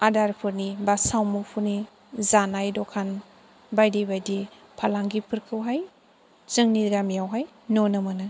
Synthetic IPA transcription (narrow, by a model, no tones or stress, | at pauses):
adaɾpʰɯɾnibasawmupʰuɾni | zanajdɔkʰan | bajdibajdi | pʰalaŋɡipʰɯɾkʰɯwɦaj | z̥ɯŋniɡamijawɦaj | nɔnɯmɯnɯ